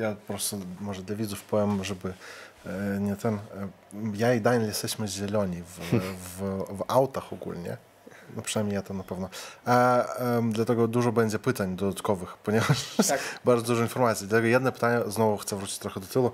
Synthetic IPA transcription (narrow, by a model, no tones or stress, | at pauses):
japɾɔst̪ɔmɔʐəd̪lʲavʲid̪zʊfpɔvʲɛmʐɛbɨ | nʲɛt̪ɛn | jaid̪ajnlʲjɛst̪ɛɕʲmɨzʲɛlʲɔnʲivvawt̪axɔɡṵlʲnʲɛ̰ | nupʂɨnajmʲejat̪anɐpɛvnɔa | d̪lʲat̪ɛɡɔd̪uʐɔbɛnʲd͡ʑʲɛpɨt̪anʲd̪ɔd̪at̪kɔvɨxpɔnʲevɐʂbaɾd̪ɔd̪uʐɔinfɔrmat̪sʲid̪lʲat̪ɛɡɔjad̪nɛpɨ̥t̪anʲːɛznɔvʊxt̪sɛvɾut̪ʲi̥tʲt̪ɾɔxəd̪ɔt̪ɨlˠʊ